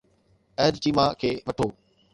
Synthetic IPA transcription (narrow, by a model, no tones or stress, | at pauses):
ɐɦɾt͡ɕiːmakʰeːʋɐʈʰoː